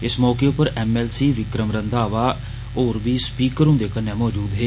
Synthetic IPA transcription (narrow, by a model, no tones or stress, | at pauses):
ɪsmɔːkeːʊpəɾɛːmɛːlsiːʋɪkɾəmɾənd̪aːʋaː | oːɾʋiːspiːkəɾʊ̃nd̪eːkənːɛ̃ːmɔːd͡ʒuːd̪ɦeː